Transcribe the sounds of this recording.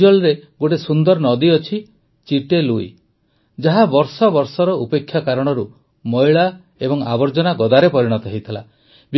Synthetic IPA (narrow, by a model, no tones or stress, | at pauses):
ɔlɾeɡoʈesund̪ɔɾɔnɔd̪iɔt͡ʃʰi | t͡ʃiʈeluḭ | d͡ʒaɦabɔɾsɔbɔɾsɔɾɔupekʰːjakaɾɔɽ̃ɔɾu | mɔjɭa | ebɔŋa̰bɔɾd͡ʒɔnaɡɔd̪aɾepɔɾiɽ̃ɔt̪ɔɦejt̪ʰila | b